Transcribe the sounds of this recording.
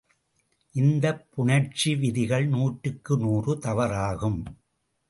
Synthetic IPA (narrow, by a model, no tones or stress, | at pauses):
ʔɪnd̪ɐpːʊɳɐɾt͡ʃiʋɪðɪɣɐɭnuːʈːɯkːɯnuːrɯt̪ɐʋɐɾaːɣɯm